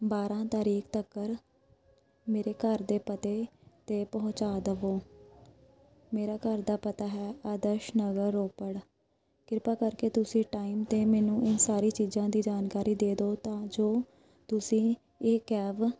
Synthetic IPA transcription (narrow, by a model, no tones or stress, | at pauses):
baːɾãːt̪aːɾiːkʰt̪əkːəɾ | meːɾeːkəɾd̪eːpət̪eːt̪eːpɔɦʊ̃t͡ʃaːd̪əʋoː | meːɾaːkəɾd̪aːpət̪aːɦɛːaːd̪əʃnəɡəɾːoːpəɽ | kɪɾpaːkəɾkeːt̪ʊsĩːʈaːiːmt̪eːmɛːnũːʔɪnsaːɾiːt͡ʃiːzãːd̪iːd͡ʒaːnkaːɾiːd̪eːd̪oːt̪ãːd͡ʒoː | t̪ʊsĩː | ɪkɛːʋ